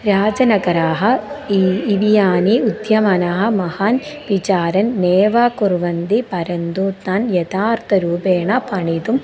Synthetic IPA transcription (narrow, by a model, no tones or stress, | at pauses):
ɾaːd͡ʒɐnɐɡɐɾaːɦɐ̆iiʋijaːniud̪ʱjɐmɐnaːɦɐ̆mɐhanʋit͡ʃaːɾɐnːeːʋaːkuɾʋɐnd̪ipɐɾɐnd̪uːt̪naːnjɐt̪aːɾt̪ʰɐɾuːpeːɳɐpʰɐɳit̪um